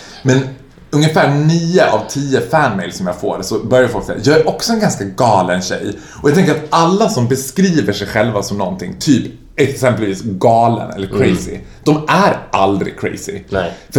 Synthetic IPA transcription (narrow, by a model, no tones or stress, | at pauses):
mɛn | ɵŋəfæːɳiːəʔa̰vt̪ʰiːəfænmɛjlsɔmjɑːɡfoːɾɛsɔbœɾjaɾfɔlksɛ̰jajɑːɡæɾʔɔksɔɛnɡanskaɡɑːlənɕɛ̰j | ɔjɑt̪ʰɛŋkəɾat̪alːasɔmbɛskɾiːvəʂɛjɧɛlvasɔmnɔnt̪ʰɪŋt̪ʰyːp | ɛksɛmpəlviːsɡɑːlə̰nɛ̰lːəɾkʰɾɛjsɪ̰d̪̥ɔmʔæɾʔald̪ɾɪ̰kʰːɾɛ̰jsɪ̰fœ